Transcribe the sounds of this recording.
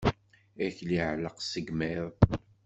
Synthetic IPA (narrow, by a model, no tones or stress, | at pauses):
æçliʕləqsəɡmɛɾˤ